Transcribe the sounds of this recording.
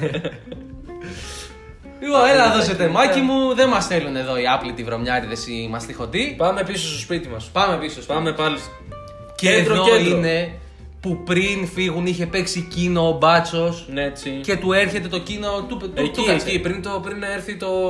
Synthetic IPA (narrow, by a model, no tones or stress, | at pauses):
oelɐðose̞t̪emɐcimuðe̞mɐsθelune̞ðo̞iɐplit̪ivɾo̞mɲɐɾiðesimɐst̪ixo̞t̪ipɐme̞pisost̪ospit̪imɐspɐme̞pisosɐmepɐli | ceðɾoiine̞ | pupɾinfiɣuniçe̞pe̞ksicino̞ːbɐt͡so̞set͡sice̞t̪ue̞ɾçe̞t̪e̞t̪o̞cino̞t̪ut̪okɐkipɾint̪opɾineɾθit̪o̞